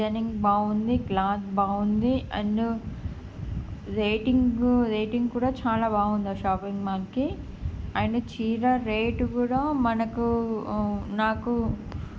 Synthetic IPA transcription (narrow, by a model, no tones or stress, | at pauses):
ɐniŋɡbaːund̪iklaːsbaːund̪iɐ̰nːu | ɾeːʈiŋɡɾeːʈiŋɡkuːɽaːt͡ʃaːlaːbaːɡund̪aʃaːpiŋɡmaːlki | ɐːjɳɐt͡ʃiːɾɐɾeːʈukuːɽaːmɐnɐku | naːku